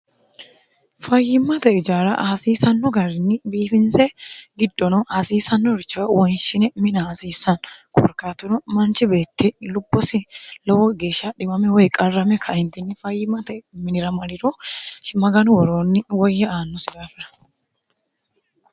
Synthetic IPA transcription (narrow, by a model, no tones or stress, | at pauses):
fɐjːɪmːɐt̪ɛɪd͡ʒaːɾɐ̰ʔɐsiːsɐnːɔɡɐɾɪnːɪbiːfɪnsɛɡɪd̪ːɔnɔhɐsiːsɐnːɔɾɪt͡ʃːɐwɐwɔjnʃɪnɛmɪnɐːsiːsːɐnkʰɔ̰ɾkaːt̪ʊnɔmɐnt͡ʃɪbe̞ːt̪ːɪlʊbːɔsɪlɔwɔɡe̞ːʃːɐɗɪmɐmɛwɔjkʼɐrːɐmɛkʰɐɪnt̪ɪnːɪfɐjːɪmːɐt̪ɛmɪnɪɾɐmɐɾɪɾɔʃɪmɐɡɐnʊwɔɾoːnːɪwɔjːɛaːnːɔsɪdaːfɪɾɐ̥